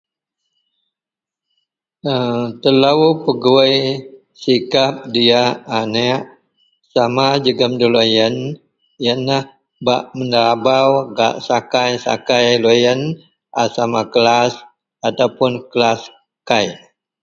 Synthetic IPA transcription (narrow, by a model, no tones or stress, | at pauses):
ət̪əlaupəɡuəj | sikap̚diaːnəʔ | samad͡ʒəɡəmdəlojən | jənːah | baʔmənəɾabawɡa̰ʔsakajsa̰kajlojən | ʔasamakəlas | at̪awpʊnkəlas | kaj